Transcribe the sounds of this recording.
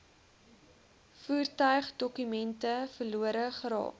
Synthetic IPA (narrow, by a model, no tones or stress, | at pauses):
fuːrtœɥχdɔkymɛntəfərluəɾəχəɾɑ̰ːk